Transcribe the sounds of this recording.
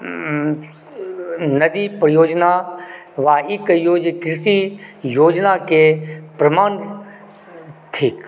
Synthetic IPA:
nɐd̪ipɾɐjoːd͡ʒna | ʋaːiːkːɐijoːd͡ʒekɪɾsijoːd͡ʒnakepɾɐmaːn | t̪ʰiːk

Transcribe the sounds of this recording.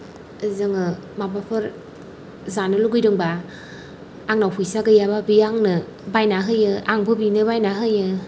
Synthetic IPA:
ɯzɯŋɯmabapʰɯɾ | zanɯluɡɯjɾɯŋba | ŋnawpʰɯjsaɡɯjababiaŋnɯ | bajnaɦɯjɯaŋbʰɯbinɯbajnaɦɯjɯ

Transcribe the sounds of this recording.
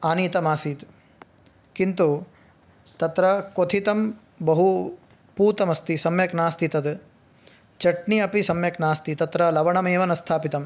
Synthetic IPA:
aːniːt̪ɐmaːsit̪ | kint̪u | t̪ɐt̪ɾɐkot̪ʰit̪ɐm | bɐɦu | puːt̪ɐmɐst̪isɐmjɐknaːst̪it̪ɐd̪ | t͡ʃɐʈniɐpisɐmjɐknaːst̪it̪ɐt̪ɾɐlɐʋɐɳɐmeːʋɐnɐst̪ʰaːpit̪ɐm

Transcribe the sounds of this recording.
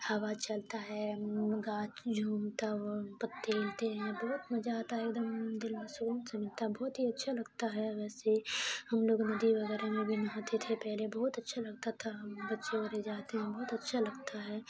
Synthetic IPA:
hɐwat͡ʃɐlt̪aɦɛɡaːt͡ʃd͡ʒʱuːmt̪apət̪ːeːlt̪eɦɛ̃bɔːt̪mɐd͡ʒaːt̪aɦɛeːk̚d̪əmd̪ɪlmẽsuːlənsɐmɪlt̪aɦbɔːt̪ɦiɐtːʃʰalɐɡt̪aɦɛʋɛːsehɐmloːɡnɐd̪iʋɐɡɛːɾamẽbʱinɐɦãt̪ʰet̪ʰepɛɦlebɔɦːʊt̪ɐtːʃʰalɐɡt̪at̪ʰabɐtːʃẽɐɾed͡ʒaːt̪eɦɛ̃bɔːt̪ɐtːʃʰalɐɡt̪aɦɛː

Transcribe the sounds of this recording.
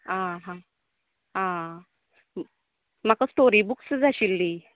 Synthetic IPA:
ãɦã | ɦã | m̤akasʈoɾibuksd͡zaɕilːi

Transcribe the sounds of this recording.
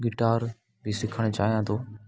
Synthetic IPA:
ɡɪʈaːɾ | bʱisɪkʰəɽ̃t͡ʃaːɦijãːt̪ʰoː

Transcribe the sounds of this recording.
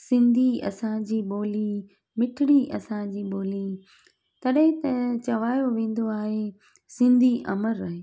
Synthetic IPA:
sɪ̃nd̪ʱiɐ̰sãd͡ʑiːɓoːli | mɪʈʰɪɽ̃iʔɐsãd͡ʑiːɓoːli | t̪ɐɗɦɪ̃t̪ɐt͡ɕɐʋaːjoʋẽːn̆d̪oaːɦe | sɪ̃nd̪ʱiʔɐ̰məɾːɐɦeː

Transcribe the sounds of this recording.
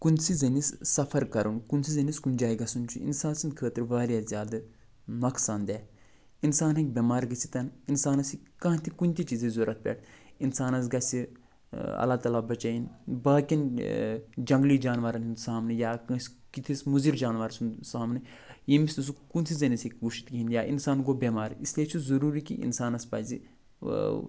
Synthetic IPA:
kunsizɐnissɐfʰɐɾkɐɾunkunsizɐniskund͡ʒaːiɡɐsunt͡ʃʰṵḭnsaːnsɨnd̪kʰəːt̪ɾʋaːɾjaːzʲjaːd̪ɨ | nɐksaːnd̪ʲɛː | insaːnɦɐ̃k̚bʲemaːɾɡɨt͡sʰi̥t̪ɐninsaːnɐsikɐ̃ːt̪ʰikunʲt̪it͡ʃizezoːɾɐt̪̚pʲḛːʈʰinsaːnɐsɡɐsi | ɐ̰laːt̪ɐlabɐt͡ʃɐinbɐːkin | d͡ʒɐŋɡliːd͡ʒaːnʋaːɾɐninsaːmnejaːkɐs | kit̪ʰismuziɾd͡ʒaːnʋaːɾsʰunsaːmnɨ | jimist̪usukunsʰizɐnisikʲɡuʃi̥t̪ɡiinjaːʔinsaːnɡobeːmaːɾisliet͡ʃʰuzɐɾuːɾikḭʔḭnsaːnɐspɐ̰ːzi

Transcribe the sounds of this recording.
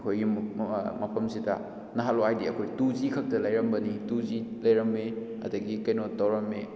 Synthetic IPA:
kʰojɡimɐpʰɐmsidɐ̰ | nɐɦaloajdiɐkʰojtuzikʰɐk̚tɐlɐjɾɐmbɐnituzilɐjɾɐmːe | ɐ̰dɐɡikɐjnotːawɾɐmːe

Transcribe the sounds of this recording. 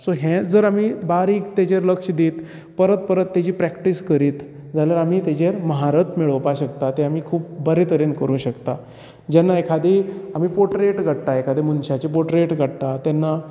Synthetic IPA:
soɦẽd͡zəɾamiːbaɾiːkt̪ed͡ʑeɾləkʂəd̪iːt̪ | pəɾət̪̚pəɾət̪ːet͡ɕiːpɾɛkʈiskəɾiːt̪ | d͡zaljaɾamiːt̪ed͡ʑeɾməɦaɾət̪miɭəʋpaɕəkt̪at̪eamiːkʰuːp̚bəɾet̪əɾenkəɾũːɕəkt̪a | d͡ʑɛnːaekʰad̪eam̤iːpoʈɾeʈɡʱəɽt̪aekʰad̪emənɕat͡ɕepoʈɾeʈɡʱəɽt̪at̪ɛnːa

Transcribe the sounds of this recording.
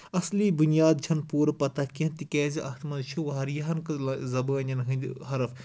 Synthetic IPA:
ɐslibunjaːd̪̚d͡ʒʰɐnpuːɾpɐt̪akint̪ikɛːziʔɐkʰt̪ʰmɐnt͡ʃʰuʋɐɦɐɾjɐɦɐnkɨzɐbəːnʲɐnɦɨnd̪hɐɾɐf

